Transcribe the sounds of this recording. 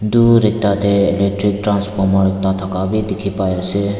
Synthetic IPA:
d̪uɾɪk̚t̪at̪eɪlek̚ʈɾɪk̚ʈɾãnspɔɾmaɾɪk̚t̪at̪ʰəkabʱid̪ɪkʰipaːjese

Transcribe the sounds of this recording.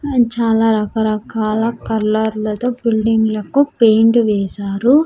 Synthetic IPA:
t͡ʃaːlaːɾɐkɐɾɐkaːlɐkɐɾlɐɾlɐt̪oːbilɖiŋɡlɐkupejɳʈʋɛːsaːɾu

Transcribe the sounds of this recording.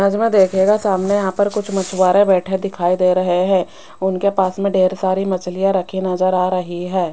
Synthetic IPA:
nɐd͡ʒmẽd̪eːkʰeːɡasaːmnejɐɦãpɐɾkʊt͡ʃʰmɐt͡ʃʰwaːɾẽbɛːʈʰed̪ɪkʰaːid̪eːɾɐɦeɦɛ̃ː | ʊnkepaːsmẽɖeːɾsaːɾimɐt͡ʃʰlijaɾɐkʰinad͡ʒaɾaːɾɐɦiɦɛː

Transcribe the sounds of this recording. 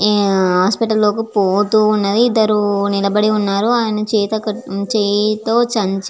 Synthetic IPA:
ɦaːspiʈɐlːo̞ːkipoːt̪uːnːɐd̪iːd̪ːɐɾunilɐbɐɽiunːaːɾuaːjɐnɐt͡ʃɛːt̪ɐkɐt͡ʃeːjt̪oːt͡ʃɐɲt͡ʃ

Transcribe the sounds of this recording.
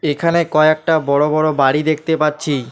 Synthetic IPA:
ekʰanekɔeek̚ʈabɔɽobɔɽobaɽid̪ekʰt̪epatːt͡ɕʰi

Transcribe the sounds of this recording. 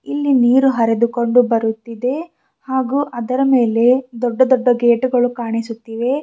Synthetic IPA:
ilːiniːɾuɦɐɾed̪uko̞ɳɖubɐɾut̪ːid̪e̞ | haːɡuːʔɐd̪ɐɾɐme̞ːle̞d̪ɔɖːɐd̪ɔɖːɐɡeːʈuɡɐɭukaːɳisut̪ːiːʋe̞

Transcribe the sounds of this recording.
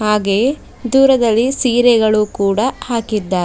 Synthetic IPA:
haːɡe̞ː | d̪uːɾɐd̪ɐlːisiːɾɛɡɐɭukuːɽɐhaːkid̪ːaː

